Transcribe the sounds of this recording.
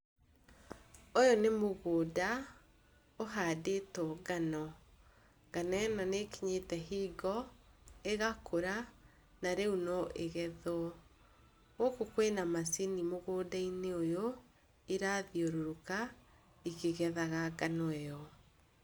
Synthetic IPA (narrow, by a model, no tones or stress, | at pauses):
ojonemoɣoːda | oɦaːdetɔɡanɔ | ɡ̥anaɛnɔnekiɲetɛɦiɡɔ | eɣakoɾa | naɾeunɔʔeɣɛðwɔ | ɔkokwenamasinimoɣoːdaineojo | iɾaðioɾoɾoka | ikeɣɛðaɣaɡanɔɛjɔ